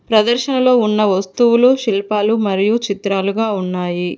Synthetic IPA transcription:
pɾɐd̪ɐɾʃɐnɐlo̞ːunːɐʋɐst̪uʋuluʃilpaːlumɐɾijut͡ʃit̪ɾaːluɡaːunːaːji

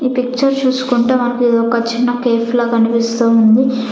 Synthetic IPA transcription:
iːpik̚t͡ʃɐɾt͡ʃuːsu̥kuɳʈeːmɐnɐkueːd̪oːkɐt͡ʃinːɐkeːfloːkɐnipist̪uːund̪i

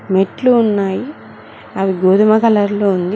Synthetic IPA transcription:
meʈluːnːaːji | ɐʋiɡoːd̪ɐmɐkɐlɐɾloːund̪i

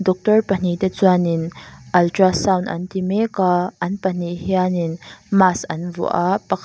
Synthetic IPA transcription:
dɔk̚tɔɹpɐn̥it̪ɛt͡suaninʔɐltɾasawnʔɐ̰nt̪imɛkaʔɐnpɐn̥iɦianinmasʔɐnvṵʔapɐkʰ

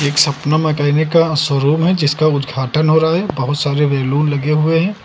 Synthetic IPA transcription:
eːksɐpnəmɐkaːɪnekaswɐɾuːmɦɛd͡ʒɪskaʊd̪ɡʱaːʈənɦoːɾɐɦaɦɛbɐɦʊt̪saːɾeʋeːluːnlɐɡeɦʊeɦɛ̃ː

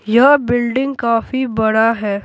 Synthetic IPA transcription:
jɐbɪlɖɪ̃ŋɡkaːfibɐɽaɦɛː

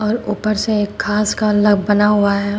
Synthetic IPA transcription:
ɔːɾuːpəɾseeːkʰːaːskalɐɡbbɐnaɦuaɦɛː

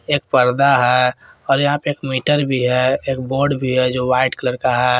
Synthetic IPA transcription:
eːk̚pəɾd̪aɦɛɔːɾjɐɦãpeeːkmiːʈəɾbʱiɦɛeːkboːɾɖbʱiɦɛd͡ʒoʋaːɪʈkələɾkaɦɛ

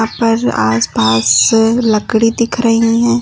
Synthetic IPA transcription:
ãpɐɾa̰ːspaːslɐkɽid̪ɪkʰɾɐɦĩɦɛ̃ː

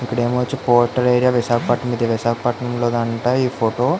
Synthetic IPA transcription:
ikːɐɽe̞ːmɐʋɐt͡ʃːipoːɾʈːɐɾeːɾijaːʋiʃaːkʰɐpɐʈnɐmid̪ɐʋiʃaːkʰɐpɐʈnɐmloːd̪ɐɳʈaːiːpʰoːʈoː

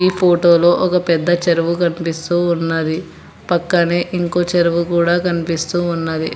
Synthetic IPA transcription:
iːpʰoːʈo̞ːlo̞ːʔɔkɐpɛd̪ːɐt͡ʃɐɾuʋukɐnipist̪uːnːɐd̪i | pɐkːɐne̞ːʔiŋko̞ːt͡ʃɐɾuʋukuːɽaːkɐnipist̪uːunːɐd̪i

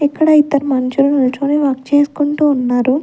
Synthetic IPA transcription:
ɛkːɐɽɐit̪ːɐɾɐmɐnt͡ʃulunɐlɐʈ̪oːneːʋaːkt͡ʃeːsu̥kuɳʈuːnːaːɾu

